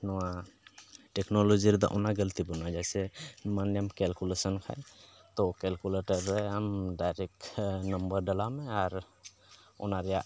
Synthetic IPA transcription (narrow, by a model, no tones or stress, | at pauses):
nɔwa | ʈekʰnolod͡ʒiɾd̪ɔ̰ʔo̰naɡəlt̪ibənːad͡ʒɛjsemanəmkɛlkulesənkʰa̰jt̪okelkuleʈəɾːəɦəmɖajɾek̚nəmbəɾɖəlameaɾ | o̰naɾja